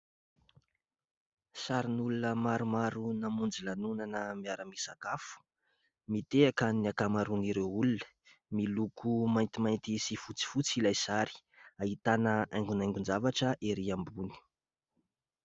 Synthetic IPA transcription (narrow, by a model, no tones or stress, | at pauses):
saɾinulunəmaɾumaɾunamund͡zilanunanəmiaɾəmisakafu̥ | mit̪eakəniakamaɾuniɾewulunə̥ | milukumajnt̪imajnt̪isifut͡si̥fut͡silajsaɾi̥ | ait̪anəʔajŋɡunajŋɡund͡ʒavaʈ͡ʂəʔeɾiambuni̥